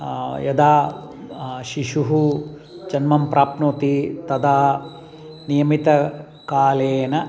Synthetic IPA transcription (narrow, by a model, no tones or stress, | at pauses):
jɐd̪aː | ʃiʃuɦu | d͡ʒɐnmɐmpɾʔaːpnoːt̪it̪ɐd̪aː | nijɐmit̪ɐ | kaːleːnɐ